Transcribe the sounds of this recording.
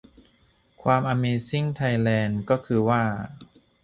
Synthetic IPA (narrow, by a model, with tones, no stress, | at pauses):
kʰwaː˧mʔaː˧meː˧si˥˩ŋt̪ʰa˧jlɛː˧nkɔː˥˩kʰɯː˧waː˥˩